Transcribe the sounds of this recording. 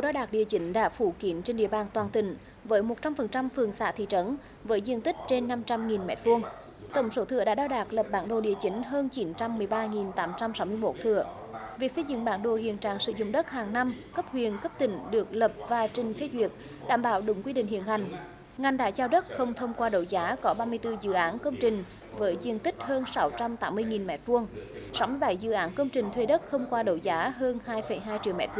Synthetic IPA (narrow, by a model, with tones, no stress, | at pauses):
u˨˩ɗaː˧wɗaː˨˩k̚ɗi˨˩t͡ɕï˨˦ŋ̟ɗa̰ː˧˥fu˧˩ki˨˦ənt͡ɕe˧nɗḭ˧əɓaː˨˩nt̪waː˨˩nt̪ï˧˩˦ŋ̟ | vəː˨˦jmo˨˩t̚t͡ɕa˧mfə˨˩nt͡ɕa˧mfɨ˨˩əŋsa̰ː˧˥t̪ʰḭ˧˨t͡ɕə˨˦n | vəː˨˦jzi˧ənt̪ï˦˥k̟̚t͡ɕe˧nːa˧mt͡ɕa˧mŋi˨˩nmɛ̰˧˩˥t̚fu˧əŋ | t̪ə˧˩wŋ͡mso˨˦t̪ʰɨ̰˧əɗa̰ː˧˥ɗaː˧wɗaː˨˩k̚lə˨˩p̚ɓaː˨˦nɗo̰˧˩ɗḭ˨ət͡ɕi˨˦ŋ̟ɦəː˧nt͡ɕi˨˦nt͡ɕa˧mːɨ˨˩əjɓaː˧ŋi˨˩nt̪aː˨˦mt͡ɕa˧msa˨˦wmɨ˧əjmo˦˥t̚t̪ʰɨ̰˧˨ə | vi˨˩ək̚sə˧jzɨ̰˧˨ŋɓaː˨˦nɗo̰˧˨ɦḭ˧˨ənt͡ɕaː˨˩ŋsɨ̰˧˨zʊ̰˧˨ŋ͡mɗə˦˥t̚haː˨˩ŋna˧mkə˦˥p̚hwi˨˩ənkə˦˥p̚t̪ï˧˩˦ŋ̟ɗɨ˨˩ək̚lə˨˩p̚vaː˨˩t͡ɕi˨˩ŋ̟fe˧zwi˨˩ət̚ | ɗa̰ː˧˩mɓaː˧˩wɗʊ˨˦ŋ͡mkwi˧ɗḭ̈˧˨ŋ̟hḭ˧˨ənha˨˩jŋ̟ | ŋa˨˩jŋ̟ɗa̰ː˧˩t͡ɕaː˧wɗə˦˥t̚xə˧wŋ͡mt̪ʰə˧wŋ͡mkwaː˧ɗə˧˩wzaː˨˦kɔ˨˦ɓaː˧mɨ˧əjt̪ɨ˧zɨ̰˧˨ʔaː˨˦nkə˧wŋ͡mt͡ɕï˨˩ŋ̟ | vəː˨˦jzwi˧ənt̪ï˦˥k̚həː˧nsa˨˦wt͡ɕa˧mt̪aː˨˦mːɨ˧əjŋi˨˩nmɛ̰˨˩˥t̚vu˧əŋsa˨˦wmɨ˧əjɓa˨˩˦jzɨ̰˧˨ʔaː˨˦nkə˧wŋ͡mt͡ɕï˨˩ŋ̟t̪ʰwe˧ɗə˦˥t̚xə˧wŋ͡mkwaː˧ɗə˧˩wzaː˨˦ɦəː˧nhaː˧jfə˨˧˩jɦaː˧jt͡ɕi˧˨wmɛ̰˧˩t̚fu˧